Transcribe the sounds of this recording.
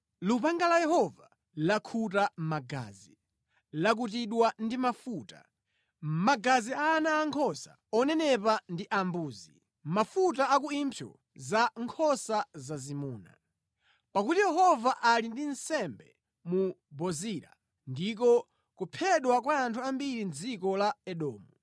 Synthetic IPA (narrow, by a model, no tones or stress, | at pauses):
lupaŋɡalajɛhɔva | lakʰutamaɡa̰ːzi | lak̬utiɗwandimafuːta̰ | maɡaziaːnaːŋkʰɔsa | ɔnɛnɛpandiʔambuːzi | mafutaak̬uimpʰjɔ̰ | zaŋkʰɔsazazimuːna̰ | pakutijɛɦɔvaʔalindinsɛmbɛ̰ | mubɔziɾa̰ | ndik̬ɔ | kupʰɛɗwak̬waːntʰuambiɾind͡zikɔlaɛɗɔːmu